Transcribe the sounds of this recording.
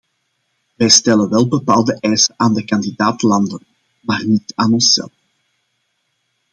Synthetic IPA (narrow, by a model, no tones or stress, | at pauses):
ʋɛjstɛlənʋɛlˠbəpaːlˠdəʔɛjsənʔaːndəkɑndidaːtlɑndən | maːrnitaːnɔnsɛ̰lˠf